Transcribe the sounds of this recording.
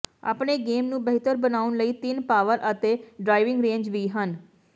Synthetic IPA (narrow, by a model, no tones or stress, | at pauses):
a̰ːpɳeːɡeːmnũːbəɦɪt̪əɾbənaːʊnləiːt̪ɪnpaːʋəɾʔət̪eːɖɾaːɪʋɪŋɡɾẽːɲd͡ʒʋiːɦən